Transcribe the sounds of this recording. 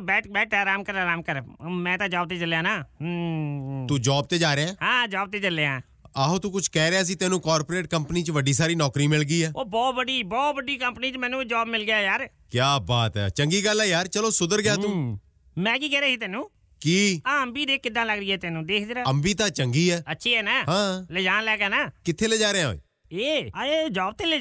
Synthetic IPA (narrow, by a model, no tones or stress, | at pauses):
bɛːʈbɛːʈʰɛːɾaːmkəɾaːɾaːmkəɾmɛ̃ːt̪ãːd͡ʒɔːb̚t̪eːt͡ʃəlːjãːnaː | ũːd͡ʒɔːb̚t̪eːd͡ʒaːɾeãːɦãːd͡ʒɔːb̚t̪eːt͡ʃəlːeãː | aːɦõːt̪uːkʊt͡ʃʰkɛːɾeaːs̬iːt̪ɛːnũːkɔːɾpoːɾeːʈ̚kəmpəniːt͡ʃʋəɖiːs̬aːɾiːnɔːkɾiːmɪlɡiːɛːoːbɔːt̪bəɖiːbɔːt̪ʋəɖiːkəmpəniːt͡ʃmɛːnũːd͡ʒɔːbmɪlɡjaːjaːɾ | kjaːbaːt̪ɛ̰ːt͡ʃəŋɡiːɡəlːɛːjaːɾt͡ʃəloːsʊd̪əɾɡɪjaːt̪ũː | mɛ̃ːkiːkɛːɾeːsiːt̪ɛːnũː | kiːaːəmbiːd̪eːkːɪd̪ãːləɡɾiːɛːt̪ɛːnũːd̪eːkʰd͡ʒɾaːəmbiːt̪ãːt͡ʃəŋɡiːɛːətːʃʰiːɦɛːnaːɦãːled͡ʒaːnlɛːkɛːnaːkɪt̪ʰːeːləd͡ʒaːɾeãːɦo̰ḭː | eːed͡ʒaːb̚t̪eːle